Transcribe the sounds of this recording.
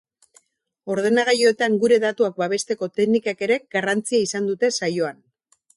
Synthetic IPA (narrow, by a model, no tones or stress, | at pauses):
o̞ɾð̞e̞naɣ̞ajo̞et̪aŋɡuɾe̞ðat̪uak̚baβ̞e̞st̪e̞ko̞t̪eknikake̞ɾe̞ɡ̥arant͡siaisand̪ut̪e̞sajo̞an